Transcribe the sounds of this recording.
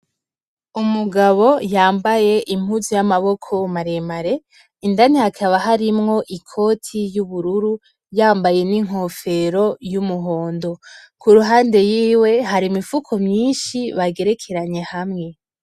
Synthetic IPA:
umuɡaβo̞jaːmbaje̞ʔim̥huzujamaβo̞kʰo̞maɾemaɾe̞ | indanihakʰaβaɦaɾimŋo̞ʔikʰo̞tʰijuβuɾuɾu | jaːmbaje̞niŋ̥ɦo̞fe̞ɾo̞jumuɦo̞ːndo̞ | kuɾuɦaːnde̞jiːwe̞ɦaɾimifukʰomɲiːnʃiβaɡe̞ɾe̞kʰe̞ɾaɲe̞hamŋe̞

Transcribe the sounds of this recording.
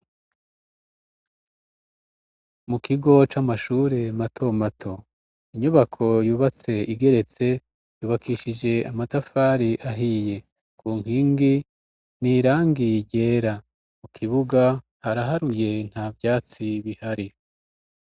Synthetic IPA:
mukʰiɡo̞t͡ʃaːmaʃuːɾe̞matʰo̞matʰo̞ | iɲuβakʰo̞juːβat͡se̞iɡe̞ɾe̞t͡se̞ | juːβakʰiʃid͡ʒe̞amatafaːɾiʔaɦije̞ | kuːŋhiːŋɡi | niːɾaːŋɡiɟe̞ːɾa | mukʰiβuɡa | haɾaɦaɾuje̞n̥haːvjaːt͡siβihaɾi

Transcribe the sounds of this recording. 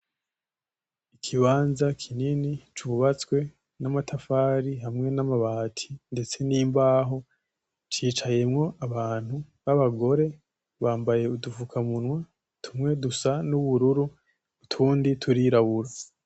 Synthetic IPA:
ikʰiβaːnzakʰininit͡ʃuβat͡swe̞ | namatʰafaːɾiɦamŋe̞namaβaːtʰi̥nde̞t͡se̞niːmbaːɦo̞ | t͡ʃiːt͡ʃaje̞mŋo̞ʔaβaːn̥hu | βaβaɡo̞ɾe̞ | βaːmbaje̞uduvukʰamunwa | tʰumŋe̞dusanuβuɾuɾuː | tʰuːnditʰuɾiɾaβuɾa

